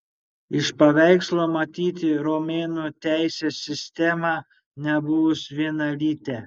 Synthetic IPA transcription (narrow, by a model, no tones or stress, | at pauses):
ɪʃpɐʋʲɛˑɪkslˠoːmɐt̪ʲiːt̪ʲɪɾomʲeːnut̪ʲæˑɪsʲeːsʲːɪsʲt̪ʲɛmɑ | nʲɛbʊʋʊsʋʲiɛnɐlʲiːt̪ʲɛ